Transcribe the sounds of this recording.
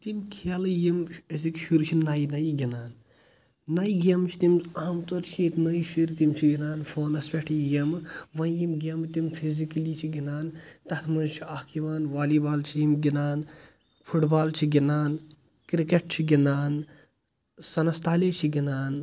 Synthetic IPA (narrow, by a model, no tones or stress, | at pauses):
t̪imkʰalɨjimes̬ikʃuɾt͡ʃʰinaːjinɐjiɡʲinaːnː | ajiɡʲɐmt͡ʃʰi̥t̪imaːmt̪oɾt͡ʃʰiːt̪nɐjiʃiɾt̪imt͡ʃʰiɡinaːnfʰoːnɐspʲeʈʰijimʋɐ̃jimɡʲemt̪imfʰizikɐlit͡ʃʰiɡinaːnt̪ɐt̪ʰmɐnt͡ʃʰiakiʋaːnʋaːlibaːlt͡ʃʰijimɡinaːn | pʰuʈbaːlt͡ʃʰiɡʲinaːn | kɾikeʈ̚t͡ʃʰiɡinaːn | sɐnɐst̪aːlet͡ʃʰiɡʲinaːn